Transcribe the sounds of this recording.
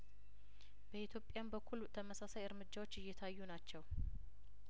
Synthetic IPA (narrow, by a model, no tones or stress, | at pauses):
b̥əit̪ʰjo̞pʼːjambəkʰːulut̪ʰəməsasajɨɾmɨd͡ʒːawo̞t͡ʃːɨjːɛt̪ʰajːunat͡ʃːɛw